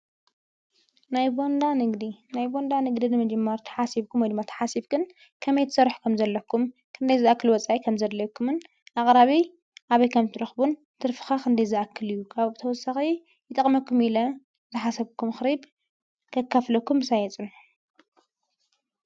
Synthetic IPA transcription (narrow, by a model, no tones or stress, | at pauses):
najbond̪anɨɡd̪inajbo̞nd̪anɨɡd̪inɨmɐd͡ʒɐmːɐɾt̪ʰɐ̥ħasiβkʰumwɔjd̪ɨmːat̪ʰɐ̥ħasiβɡɨn | kʰɐmɐjt̪ʰɨsɐɾħu̥kʰɐmzɐlːɐkʰːumkʰɨnd̪ɐjzɨʔakːɨlwɔt͡sʼaikʰɐmzɐd̪lɐjkʰːumɨn | ʔaχʼɾaβi | ʔaβɐjkʰɐmt̪ʰɨɾɐxbun | t̪ʰɨɾfɨ̥xakʰɨnd̪ɐjzɨʔakʰːɨlɨjːukʰaβt̪ʰɐwɔsaxi | jɨt̪ʼɐqʼmɐkːumilɐ | zɨħasɐβkʰːumxɾib | kʰɐkːaflɐkːumɨsajɛt͡sʼɨn